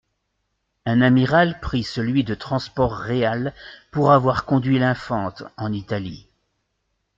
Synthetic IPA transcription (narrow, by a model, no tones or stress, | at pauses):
ɛ̃namiʁalpχisəlɥid̪ət̪χɑ̃spɔʁːealpuʁavwaʁkɔ̃d̪ɥilɛ̃fɑ̃t̪ɑ̃nit̪ali